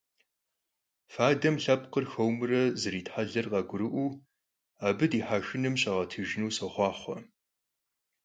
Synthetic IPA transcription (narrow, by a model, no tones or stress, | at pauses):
faːdɐmɬɐpqərxɐwmɨrɐzɨɾiːtħaɮɐrqɑɡʷʊɾɨʔʷuː | aːbɨdiːħaːʃɨnɨmɕʼɐʁɐtʰɨʒnuːsɐχʷɑːχʷɔ̰